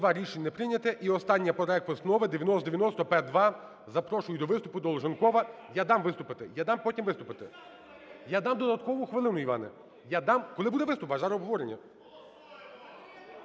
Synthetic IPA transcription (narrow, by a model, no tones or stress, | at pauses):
d̪ʋɑɾʲiʃenʲnɛpɾɪnʲɐt̪ɪʔiɔst̪ɑnʲːɐpɔɾɔɛkʋɔsnɔʋɪd̪eʋʲjɐnɔst̪d̪eʋʲjɐnɔst̪ɔpɛd̪ʋɑ | zɐpɾɔʃʊjʊd̪ɔʋɪst̪ʊpʊd̪ɔlˠɔʒɐnkɔʋɐ | jad̪ɑmʋɪst̪ʊpɪt̪ɪjad̪ɑmpɔtʲimʋɪst̪ʊpɪt̪ɪ | jad̪ɑmd̪ɔd̪ɐt̪kɔʋʊxʋɪlˠɪnʊiʋɑ̰nɪ̰ | jad̪ɑmkɔlˠɪbud̪ɛʋɪst̪ʊpɐʒɑɾɔbɦɔʋɔɾenʲːɐ̰